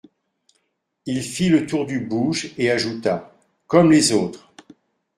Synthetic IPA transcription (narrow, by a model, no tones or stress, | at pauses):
ilfilət̪uʁd̪ybuʒeaʒut̪a | kɔmlezoːt̪χ